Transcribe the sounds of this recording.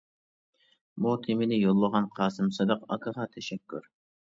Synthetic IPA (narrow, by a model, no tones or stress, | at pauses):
muk̪ʲʰɪmɪnɪjolˠːəʁɑnqʰɑːsɨmsɨd̪ɑqɑ̰kʰɑʁɑt̪ʰɛʃɛkʲːy̰ɾ